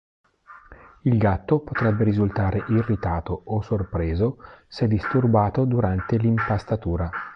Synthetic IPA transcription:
ilɡat̪ːopot̪ɾɛbːeɾizult̪aːɾeʔirːit̪aːt̪oːsorpɾeːzosɛd̪ːist̪urbaːt̪od̪uɾant̪elimpast̪at̪uːɾa

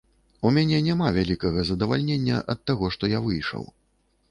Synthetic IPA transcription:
umʲanʲɛnʲamavʲalʲikɐɣɐzɐd̪ɐvalʲnʲenʲːɐ̰ʔɐt̪ːaɣɔʂt̪ɔjavɨjʂɐ̰w

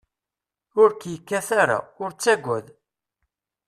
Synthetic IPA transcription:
ʊɾkjəkːæθaɾa̰ʊɾt͡sːæɡʷːæð

